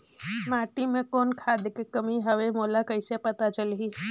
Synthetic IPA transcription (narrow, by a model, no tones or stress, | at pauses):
maːʈimẽkoːnkʰaːd̪kekɐmiɦɐʋemoːlakəɪsepɐt̪at͡ʃəlɦiː